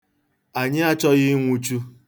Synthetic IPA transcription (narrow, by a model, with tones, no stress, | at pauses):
a˨ɲɪ˦a˦t͡ʃɔ˦ɣɪ˦ŋʷu˦t͡ʃu˦